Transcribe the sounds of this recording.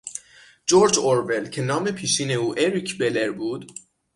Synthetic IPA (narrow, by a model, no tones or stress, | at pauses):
d͡ʒoːɾd͡ʒoɾve̞lcʰe̞nɒːme̞pʰiːʃiːne̞uːʔeɾicʰbe̞leɾbuːd̪